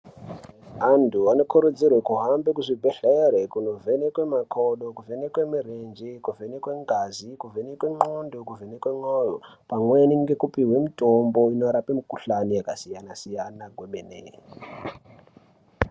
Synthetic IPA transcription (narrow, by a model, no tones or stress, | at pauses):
ɦandʰʱuano̞kʰuɾud͡zirwekuɦambekuʐibʱeɬeɾekuno̞ve̞nekwe̞makʰoɗokuvenekwemirend͡ʒikuvenekwe̞ŋɡazikuvenekweŋ͡ǃondokuvenekweŋ͡ǃojopamweniŋɡe̞kupiɦwe̞mitʼombo̞ino̞ɾapemikuɬanijakasijanasijanaɡʱwoɓenḛ